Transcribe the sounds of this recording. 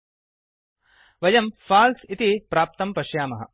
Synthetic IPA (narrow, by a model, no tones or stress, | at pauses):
ʋɐjɐmfaːlsit̪ipɾaːp̚t̪ɐmpɐʃjaːmɐɦɐ̰